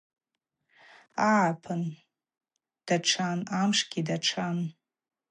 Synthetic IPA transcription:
aʕapʰɨn | d̥aʈ͡ʂʰanamʂɡ̥ʲidaʈ͡ʂʰan

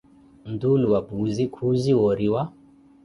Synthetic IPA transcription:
n̩d̪uluwabuzikʰuziwɔɾiwa

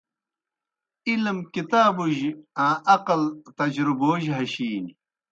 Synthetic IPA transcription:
ilmkit̪aːbuʑãːʔɐqɐlt̪ɐd͡ʑɾuboːʑɦɐɕiːni

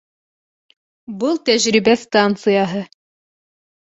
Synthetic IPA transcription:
bɤlˠt̪æʒɾibæst̪ant̪sɨjɑɦɤ

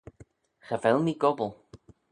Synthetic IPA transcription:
xəvɛlˠmiɡɔbəlˠ

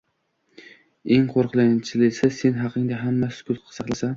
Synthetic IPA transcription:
e̞ŋqʰoɾqʰlˠajnt͡ʃʰɪlɪsɪse̞nɦɑqʰɨŋd̪aɦamːasɪ̥kʰʊlqʰɑ̥sɑχlˠasa

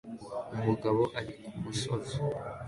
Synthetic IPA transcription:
muɡaβoʔaɾikumusozo̥

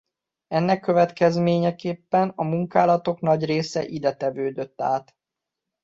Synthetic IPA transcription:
ɛnːɛkːø̞vɛt̪kɛzmeːɲɛkeːpːɛnɒmuŋkaːlɒt̪o̞knɒɟreːsɛʔid̪ɛt̪ɛvøːd̪ø̞t̪ːaːt̪

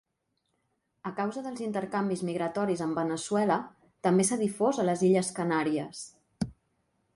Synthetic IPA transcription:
əkawzəðəlˠzint̪əɾkambizmiɣɾət̪ɔɾizəmbənəswɛlə | t̪əmbesəðifozələziʎəskənaɾiəs

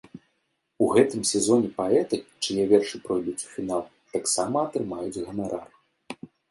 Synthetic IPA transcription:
uɣɛt̪ɨmsʲɛzɔnʲɛpaɛt̪ɨt͡ʂɨjɛvʲɛrʂɨpɾɔjd̪ut͡sʲu̥fʲin̪alˠ | t̪aksamɐɐt̪ɾɨmajud͡zʲɣɐnaɾa̰r

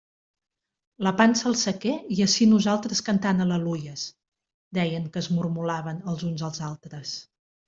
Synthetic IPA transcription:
ləpansəːlˠsəkeiəʃinuzalˠt̪ɾəskənt̪anələlujəs | d̪ɛjəŋkəːzmurmulaβ̞ənəlˠzunzəlˠzalˠt̪ɾəs

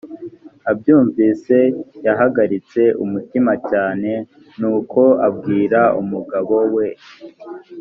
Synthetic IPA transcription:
abɟuːɱviːse̞jaɦaɡaɾit͡se̞ʔumutimacaːne̞ | nuːko̞ab̚ɡiːɾaumuɡaβo̞we̞

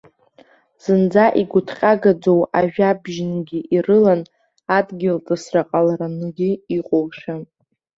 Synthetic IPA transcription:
z̥ɨnd͡zaʔiɡʷʊtʰqʲʼaɡad͡zo̞waʒᶣabʒnɡʲiʔirɨlan | adɡʲɪltʼɨsraqʼalaɾanɨɡʲɪiqʼowʃᶣa

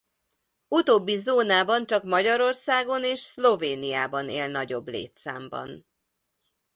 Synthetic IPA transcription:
ut̪oːbːizoːnaːbɒnt͡ʃɒkmɒɟɒɾo̞rsaːɡo̞neːʃslo̞veːnijaːbɒneːlnɒɟo̞blḛːt̪sa̰ːmbɒ̰n

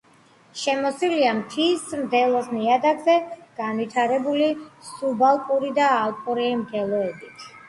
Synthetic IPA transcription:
ʃɛmɔsiliamt̪ʰismd̪ɛlˠɔsniad̪aɡzɛɡ̥anvit̪ʰaɾɛbulisubalˠkʼuɾid̪aːlˠpʼɔɾɛɛmɡɛlˠɔɛbit̪ʰ

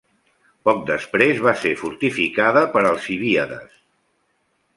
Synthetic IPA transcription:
pɔk̚d̪əspɾezβasefuɾt̪ifikaðəpəɾəlˠsiβiəðə̰s

